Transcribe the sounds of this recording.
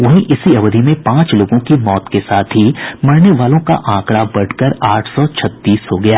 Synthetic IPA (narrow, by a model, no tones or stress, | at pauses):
ʋɐɦĩʔɪsiɐʋd̪ʱimẽpãːt͡ʃloːɡõkimɔːt̪kesaːt̪ʰɦimɐɽneʋaːlõka̰ʔãːkɽabɐɽkəɾaːʈʰsɔt͡ʃʰɐt̪ːiːsɦoɡɐjaː